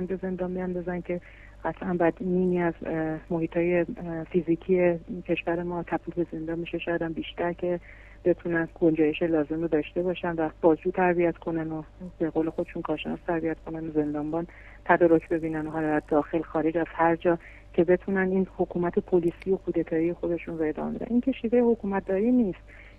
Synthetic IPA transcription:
ænbe̞ze̞nd̪ɒːnbiænd̪ɒːzæncʰe̞ | ɢæt̪ʰʔænbæd̪niːniːæzmohiːt̪ʰɒːje̞fiziːcʰiecʰe̞ʃvæɾemɒːt̪ʰæbiːfe̞ze̞nd̪ɒːnmiʃeʃɒjɑd̪ænbiːʃt̪æɾcʰe̞ | b̥e̞t̪ʰunænɡond͡ʒɒːjeʃelɒːze̞med̪ɒːʃt̪e̞bɒːʃænvæb̥ɒːzd͡ʒuːt̪ʰæɾbiæt̪kʰo̞nænobeɣole̞xo̞d̪e̞ʃuːnkʰɒːɾʃe̞nɒ̰st̪ʰæɾbiæt̪kʰo̞nænoze̞nd̪ɒːnbɒn | t̪ʰæd̪ɒːɾocʰbe̞biːnænoɦɒlɒd̪æɾd̪ɒːxe̞lxɒːɾed͡ʒæst̪hæɾd͡ʒɒː | cʰe̞be̞t̪ʰuːnænd̪iːnho̞kʰuːmæt̪ʰe̞pʰoliːsijo̞kʰuːd̪e̞t̪ʰɒːije̞xo̞d̪e̞ʃunɾoe̞d̪ɒ̰ːmebed̪æ̰niːŋcʲʰeʃiːve̞jeho̞kʰuːmæt̪̚d̪ɒːɾiniːst̪

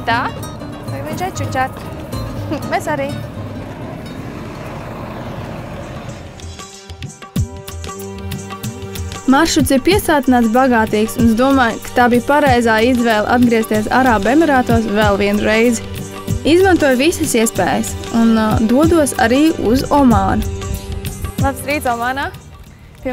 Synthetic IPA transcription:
t̪aː | t̪akmint͡ʃɛt͡ʃut͡ʃʲat̪ | bɛsaɾiː | maɾʃut̪siɾpiɛst̪aːt̪inaːt̪sbaɡaːt̪iːksunzd̪uɔmaːjkḁt̪aːbiːpaɾɛjzaːizvɛːlˠʔa̰d̪ɡɾiɛst̪iɛsa̰ɾaːbemɛɾaːt̪uɔsvɛlˠviɛnuɾɛjz | izmant̪uɔjvisɐsiɛspɛːjəsund̪uɔd̪uɔsa̰ɾiːṵzɔmaːnu | lˠabst̪ɾiːt̪sɔmaːnaː | pʲi

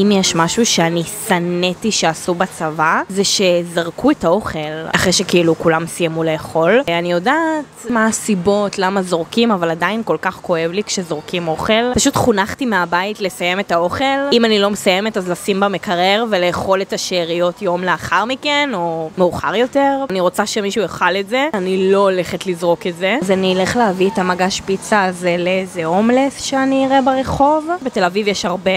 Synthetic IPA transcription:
imjeʃmaʃuʃeanisanetiʃeasubat͡savazeʃe̞zaʁkuetao̞χelaχʁejʃekeilukulamsijamuleːχo̞lanijo̞datmaːsibo̞tlamazo̞ʁkimavaladainko̞lkaχko̞e̞vlikʃezo̞ʁkimo̞χe̞lpaʃutχunaχtimeabaitle̞saje̞metao̞χe̞limanilo̞mesajemetazlasimbamekaʁeʁve̞lejeχo̞letaʃeʁijo̞tjo̞mleaχaʁmikeno̞meuχa̰ʁjo̞teʁaniʁo̞t͡saʃe̞miʃujeχaletzeanilo̞le̞χetlizʁo̞ketze̞azanileχleavietamaɡaʃpit͡saːzeleezeomlesʃeaniːʁebeʁeχo̞vbetelavivjeʃaʁbe

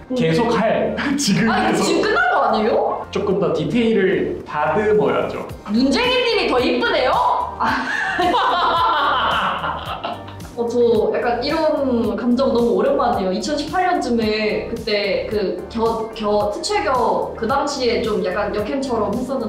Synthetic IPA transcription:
ke̞sʰokʰajet͡ɕiɡɯaet͡ɕiɡɯmk͈ɯnːaɡʌaɲejot͡ɕ͈ok͈ɯmdatitʰeiɾɯɭtadɯmʌja̰d͡ʑo̰ | mund͡ʑe̞ŋiɲiɾitʌip͈ɯne̞joa | ʌt͡ɕʌjak͈aniɾʌnkamd͡ʑʌŋnʌmuoɾjʌnɡoʌaɲejoit͡ɕʰʌnɕʰi̥pʰaɭɲʌnt͡ɕ͈ɯmekɯt͈e̞kɯkjʌkjʌtʰɯt͡ɕʰweɡjʌkɯdaŋɕʰie̞t͡ɕomjak͈anjʌkʰent͡ɕʰʌɾʌmɦes͈ʌnɯ

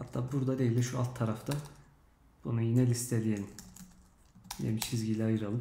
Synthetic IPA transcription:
hat̪ʰːaːbuɾd̪ad̪ejilʲiʃua̰lˠt̪ʰːaɾaft̪ʰa | b̥unujinɛlʲist̪ʰelʲijen | jḛmit͡ʃʰizɟilʲiajɯɾalˠɯ

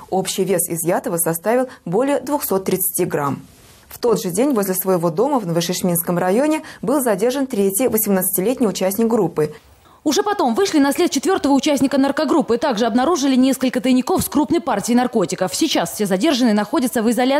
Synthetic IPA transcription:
opɕːɪjvʲe̞sɪ̰zjat̪əvəsɐst̪avʲɪlˠbo̞lʲɪjəd̪vʊxso̞t̪ːɾʲɪt̪sɨ̥tʲiɡɾam | ft̪o̞d̪ʐɨdʲenʲvozʲlʲɪsvəjɪvo̞d̪o̞məvnəvɨʂɨʂmʲinskəmrɐjo̞nʲɪbɨlˠzɐdʲe̞rʐənt̪ɾʲetʲjɪjvəsʲɪmnət̪sɨ̥tʲɪlʲetʲnʲɪjʊt͡ɕæsʲnʲɪk̚ɡɾupːɨ | ʊʐɛpɐt̪o̞mvɨʂlʲɪnɐsʲlʲet̪t͡ɕɪt̪vʲo̞rt̪əvəʊt͡ɕæsʲnʲɪkənərkɐɡɾupːɨt̪aɡʐɨɐbnɐɾuʐɨlʲɪnʲeskəlʲkət̪əjnʲɪkofskɾupnəjpartʲɪːnɐrko̞tʲɪkəfsʲɪt͡ɕasfʲsʲezɐdʲe̞rʐɨnɨnɐxo̞dʲət̪səvɨzɐlʲa

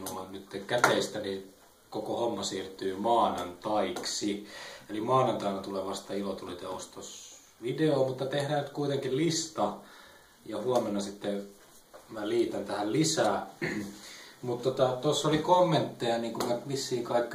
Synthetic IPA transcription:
nulɑnnyt̪ːekæt̪eist̪æni | kokohomːɑsiːrt̪yːmɑːnɑnt̪ɑiksielimɑːnɑnt̪ɑinɑt̪uleʋɑst̪ɑilot̪ulit̪eost̪os | ʋideoːmut̪ːɑt̪ehɾæːnyt̪kuit̪eŋkillist̪ɑ | jɑhuɑmenːɑsit̪ːe | mæliːt̪ænt̪æhællisæː | mut̪t̪ːot̪ɑt̪osːolikomːent̪ːejɑniːŋkumæʋisːiːkɑikː

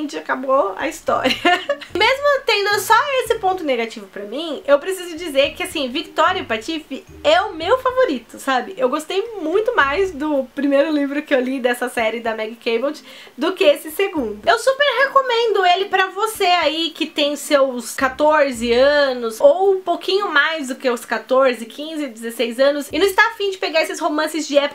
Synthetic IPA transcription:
t͡ʃɪakaboɐ̰ist̪ɔ̰ɾiɐmezmʊt̪ẽnd̪ʊsɔesɪpõnt̪ʊneɡat͡ʃivʊpɾɐmĩewpɾesizʊd͡ʒizeɾkɪasĩvikt̪ɔɾiɐpɾat͡ʃifɪ | ɛʊmewfavoɾit̪ʊsabɪʔewɡost̪ejmũj̃t̪ʊmajzd̪ʊpɾimejɾʊlivɾʊkɪewlid̪ɛsɐsɛɾɪd̪ɐmɛɡkejbowt͡ʃ | d̪ʊkɪesɪseɡũnd̪ʊewsupeɾhekomẽnd̪ʊelɪpɾɐvoseaikɪt̪ẽj̃sewskat̪oɾzɪɐ̃nʊsowũpokʰĩɲʊmajzd̪ʊkeʊskat̪oɾzɪkʰĩzɪd͡ʒ̪ɪzesejzɐ̃nʊsɪnɐ̃st̪afĩd͡ʒɪpeɡaɾesɪshomɐ̃sɪzd͡ʒɪɛpokɐ

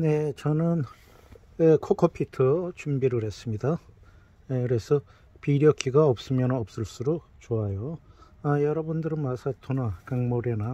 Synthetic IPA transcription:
ne̞t͡ɕʌnɯn | ekʰokʰʌpʰitʰʌt͡ɕumbiɾɯɾhe̞s͈ɯmɲida | ekɯɾe̞sʰʌ | piɾjʌk͈iɡaʌp̚s͈ɯmjʌnʌp̚s͈ɯɭs͈uɾo | t͡ɕoajo | ajʌɾʌbɯndɯɾɯnmasʰatʰonakaŋmoɾena

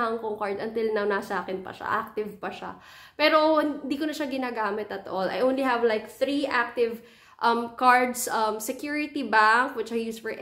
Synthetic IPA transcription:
hɐŋkoŋkaɹd̪ɐnt̪ɪlnɐwnasʔaːkɪnpɐ̰ʃa̰ʔak̚t̪ɪvpɐʃa̰ | pɛːɾoɪnd̪iːkonɐʃaɡɪnaːɡaːmɪt̪ɐt̪ʔolɐ̰jʔownlihɛvlajk̚θɹiʔak̚t̪ɪv | ʔɐmkaɹd̪sʔɐmsɛkjuɹɪt̪ibaŋkwɪt͡ʃajjuːsfɔɹʔ

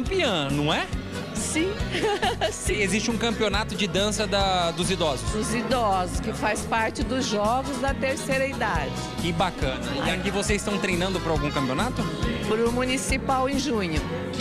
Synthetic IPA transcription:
mpiɐ̃nɐ̃w̃ɛ | sĩ | sĩezist͡ʃɪũkɐ̃mpionat̪ʊd͡ʒɪd̪ɐ̃sɐd̪ɐd̪ʊzid̪ɔzʊsʊzid̪ɔzʊskɪfaspaɾt͡ʃɪd̪ʊzʒɔɡʊzd̪ɐt̪eɾsejɾɐid̪ad͡ʒɪkɪbakɐ̃nɐãkivosezɪst̪ɐ̃w̃t̪ɾejnɐ̃nd̪ʊpɾɐawɡũkɐ̃mpionat̪ʊpɾʊmunisipawẽʒũɲʊ

